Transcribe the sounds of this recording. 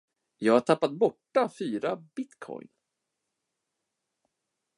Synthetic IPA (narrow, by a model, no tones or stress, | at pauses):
jɑːɡhaʈʰapːat̪̚bɔʈːafyːɾabɪt̪kʰɔ̰jn